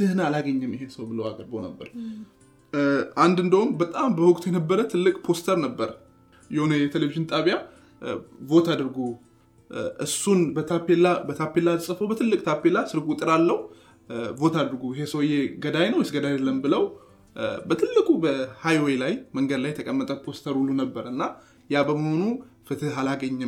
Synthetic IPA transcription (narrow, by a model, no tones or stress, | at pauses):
t̪ɨhnalaɡəɲːɨmɪɦe̞səwbɨləwaɡəɾbɨhonə̰bːə̰ɾ | ʔand̪ɨnd̪əhumbət̪ʼambəwʊkʼt̪ʰujɛnəbːəɾət̪ʰɨlːɨkʼpʰo̞st̪ʰəɾnəbːəɾ | jɛho̞nəjɛt̪ʰeleviʒɨnt̪ʼaβja | vo̞t̪ʰad̪ɨɾɡo | ʔɨsːunbət̪ʰapelabət̪ʰapːelasʼəfəwbət̪ʰɨlːɨkʼt̪ʰapːelasɨɾɡut̪ʼɨɾalːəhu | bot̪ʰad̪ɨɾɡuɪɦe̞səwjeɡəd̪ajnəwjɛsɡəd̪ajd̪elːəmbɨləw | bət̪ʰɨlːɨkʼubəhajwelajməŋɡəd̪lajːɛt̪ʰəkʼəmːət̪ʼəpʰo̞st̪ʰəɾulːunəbːəɾɨnːa | jabəməho̞nufɨt̪ʰɨalaɡəɲːɪ